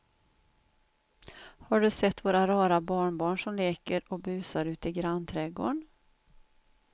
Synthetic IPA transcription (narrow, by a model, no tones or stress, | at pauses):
haɖɵsɛt̪ːvoːɾaɾɑːɾabɑːɳbɑːɳʂɔmleːkəɾɔbʉ̟ːsaɾʉ̟ːt̪ɪɡɾanːt̪ʰɾɛɡo̰ːɳ